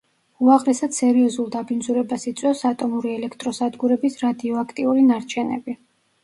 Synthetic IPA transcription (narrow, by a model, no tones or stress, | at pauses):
uaʁɾɛsad̪sɛɾiɔzulˠd̪abind̪zuɾɛbasit̪sʼwɛsat̪ʼɔmuɾiɛlɛkʰt̪ʼɾɔsad̪ɡuɾɛbisɾad̪iɔakʰt̪ʼiuɾinaɾt͡ʃʰɛnɛ̰bi